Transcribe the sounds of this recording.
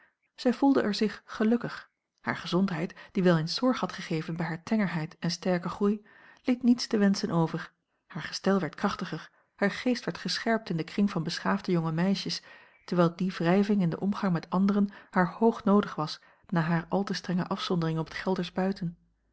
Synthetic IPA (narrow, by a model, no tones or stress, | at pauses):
z̥ɛjvulˠdəʔɛɹzɪχːəlɵkəχ | ha̰ːɹχəzɔntɦɛjtd̥iʋɛlˠɪnsɔɹχhɑtχəχejvənbɛjɦaːɹtʰɛŋəɹɦɛjtɛnstɛɹkəχruj | letnitstəʋɛnsənʔowvəɹ | haːɹχə̥stɛlˠʋɛɹt̚kʁɑχtəχəɹ | haːɹχejstʋɛɹtχəsχɛɹp̚tɪndəkrɪŋvɑnbəsχaːvdəjoŋəmɛjʃəs | təɹʋɛlˠdivrɛjvɪŋɪndəʔɔmχɑŋmɛtɑndəʁənhaːɹhowχnowdəχʋɑs | naːɦaːɹʔɑlˠtəstʁɛŋəʔɑfsɔndərɪŋɔpə̥tχɛlˠdəɹzbœɥtən